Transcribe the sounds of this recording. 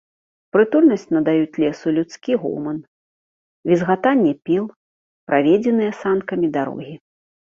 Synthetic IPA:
pɾɨt̪ulʲnɐsʲt͡sʲnɐd̪ajut͡sʲlʲɛsulʲut̪skʲiɣɔ̰lmɐn | vʲizɣat̪anʲːɛpʲilˠ | pɾʔavʲɛd͡zʲɛnɨjɛsankɐmʲid̪aɾɔ̰ɣʲi

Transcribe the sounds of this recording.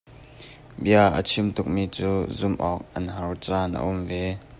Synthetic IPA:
biəʔə̰t͡sʰimt̪ʊk̚miːt͡suːzʊmʔɔːk̚ʔɐnɦɐwt͡sanʔə̰ʔʊmvɛ

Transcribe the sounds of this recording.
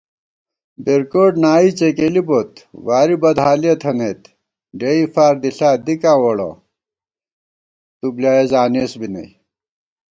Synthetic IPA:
beɾkoːʈnaːit͡ɕekelibot̪waːɾibɐd̪ɦaːlijɐt̪ʰɐnet̪ | ɖeifaːɾd̪iɬaːd̪ikãːwɐɽo̰ | t̪ublaːezaːneːsbinɐ̰j

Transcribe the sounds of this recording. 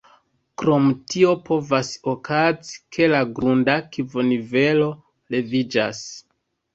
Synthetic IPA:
kɾo̞mtio̞pʰo̞vaso̞kʰazi̥kʰe̞laɡɾundakivo̞nive̞lo̞ | le̞vid͡ʒa̰s

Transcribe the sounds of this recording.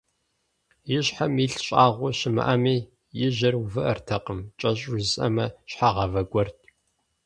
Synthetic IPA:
jɪɕħamiɬɕʼaːʁʷʊɕɪmɨ̰ʔɐmiː | jɪʑɐruvɨʔɐrtʰɐqəmt͡ʃʼɐɕʼusʼɐ̰mɐɕħaːʁɐvɐɡʷɔrtʰ

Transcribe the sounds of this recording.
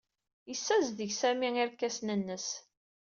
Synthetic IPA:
jəsːæzðəʝsæmiiɾkːæsnənːəs

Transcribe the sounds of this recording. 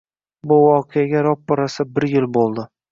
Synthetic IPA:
bʊvɒqʰejaɡʲaɾɒp̚bɒɾasabɪɾjɪlˠbolˠd̪ɪ

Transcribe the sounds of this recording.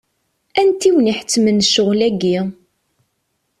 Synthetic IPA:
ænt̪iwniħə̥t͡sːmənʃʊʁlæɡi

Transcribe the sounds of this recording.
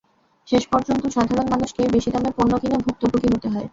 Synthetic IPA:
ʃeʃpɔɾd͡ʑont̪oʃakʰad̪onmanuʃkebeʃid̪ameɾponːokinobʱuk̚t̪opukiɦot̪eɦɔe

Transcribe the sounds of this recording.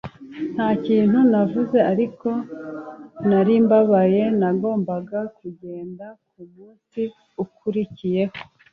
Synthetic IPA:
n̥haːciːnhunavuze̞aɾiko̞ | naɾiːmbaβaje̞naɡo̞ːmbaɡakuɟe̞ːndakumuːnsi | ukuɾicije̞ho

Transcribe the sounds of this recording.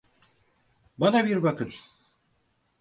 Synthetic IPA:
banabiɾbakɯt

